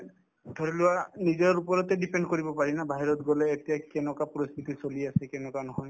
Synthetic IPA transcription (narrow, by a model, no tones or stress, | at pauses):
d̪ʱɔɹilʊwanizɔɹupɔɹɔtɛdipendkoɹibɔpaɹinabaɦiɹɔtɡɔlɛːtijakɛnɔkapɔɹɔst̪ʰitisoliasɛkɛnɔkanɔɦɔj